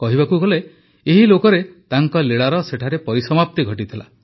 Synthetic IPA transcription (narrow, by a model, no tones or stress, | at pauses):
kɔɦibakuɡɔle | eɦilokɔɾet̪aŋkɔleɭaɾɔseʈʰaɾepɔɾisɔmap̚t̪iɡʱɔʈit̪ʰila